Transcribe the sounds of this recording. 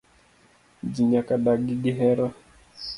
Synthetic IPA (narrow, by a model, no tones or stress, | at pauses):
d͡ʒiɲakaɗaɡiɡiɦɛɾa